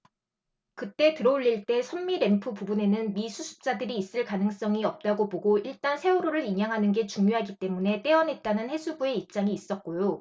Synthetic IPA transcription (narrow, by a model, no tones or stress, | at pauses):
kɯt͈e̞tɯɾouɭːiɭt͈e̞sʰʌnmiɾe̞mpʰɯpubune̞nɯnmisʰusʰu̥p̚t͡ɕ͈adɯɾiːs͈ɯɭkanɯŋs͈ʌŋiʌp̚t͈aɡoboɡoiɭt͈ansʰe̞uɾoɾɯɾiɲaŋɦanɯnɡe̞t͡ɕuŋjoɦaɡit͈e̞mune̞t͈e̞ʌnɦe̞t̚t͈anɯnhe̞sʰubue̞ip̚t͡ɕ͈aŋiːs͈ʌt̚k͈ojo